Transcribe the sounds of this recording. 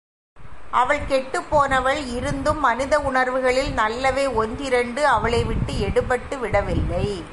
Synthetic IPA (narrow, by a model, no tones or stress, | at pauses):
ʔɐʋɐɭkɛʈːɯpːoːnɐʋɐɭɪɾɯnd̪ɯmːɐnɪðɐʊɳɐɾʋɯɣɐɭɪlnɐlːɐʋeːɔnd̪ɪɾɐɳɖɯɐʋɐɭɐɪʋɪʈːɯɛɽɯpːɐʈːɯʋɪɽɐʋɪlːɐɪ